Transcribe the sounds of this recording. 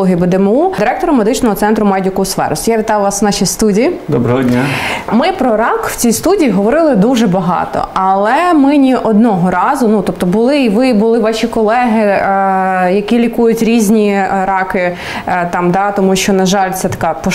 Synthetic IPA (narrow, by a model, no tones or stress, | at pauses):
ɔɦʲibɛd̪ɛmud̪ɪɾɛk̚t̪ɔɾɔmːed̪ɪt͡ʃnɔɦɔt̪sɛnt̪ɾʊmɑdʲʊkʊsʋɛ̰ɾʊsʲjaʋʲɪt̪ɑjʊʋɑsnɑʃijst̪udʲijid̪ɔbɾɐɦɔdʲnʲamɪpɾɔɾɑkw̥t͡sʲijst̪udʲijːɦɔʋɔɾɪlˠɪd̪uʒɛbɐɦɑ̰t̪ɔ̰ʔɐlˠɛmɪnʲiʔɔd̪nɔɦɔɾɑzʊnut̪ɔp̚t̪ɔbʊlˠɪiʋɪbʊlˠɪʋɑʃʲikɔlˠɛɦɪ | jɐkʲilʲikujʊtʲɾʲizʲnʲiɾɑkɪ | t̪ɑmd̪ɑt̪ɔmuʃt͡ʃɔnɐʒɑlʲt̪sɛt̪ɐ̥kɑpɔ